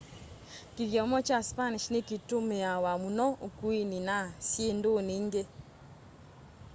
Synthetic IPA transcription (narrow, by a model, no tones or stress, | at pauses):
kiðjɔmɔt͡ʃaspaniʃnekitomejawamunɔokuininasjendoniŋɡe